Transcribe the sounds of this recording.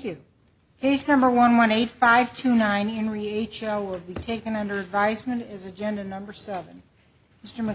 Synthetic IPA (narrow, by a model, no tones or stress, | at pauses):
ʉ | kʰeɪsnʌ̃mbə˞wʌ̃nwʌ̃neɪtfaɪv̥tʰʉnãɪ̃nɪ̃nɹieɪt͡ʃɛlˠwɪlˠbitʰeɪkɨ̃nʌ̃ndə˞ɨdvaɪzmɨ̃ntɨzɨd͡ʒɛ̃ndɨnʌ̃mbə˞sɛvɨ̃n | mɪstə˞mɨ